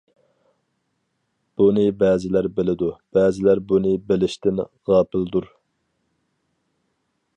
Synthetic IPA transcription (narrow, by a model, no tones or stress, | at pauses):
b̥unɨbɛːzɪlæɾbɪlɪd̪ub̥ɛːzɪlæɾbunɨbɪlɪʃt̪ʰɪnʁɑːpʰɪld̪uɾ